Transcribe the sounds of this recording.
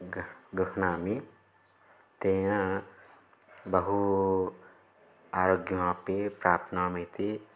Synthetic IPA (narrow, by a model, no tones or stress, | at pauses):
ɡəknaːmi | t̪eːjã | bɐɦu | aːɾoːɡjoãpepɾaːp̚t̪ʰnaːmẽt̪e